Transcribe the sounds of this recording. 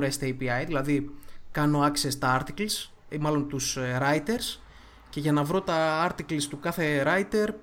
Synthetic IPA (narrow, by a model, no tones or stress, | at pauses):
ɾest̪ejpiɐjðilɐðikɐno̞ɐksest̪ɐɐɾt̪iklis | mɐlo̞nt̪usɾɐjt̪e̞ɾs | ce̞ʝɐnɐvɾo̞t̪ɐɐɾt̪iklist̪ukɐθe̞ɾɐjt̪e̞ɾ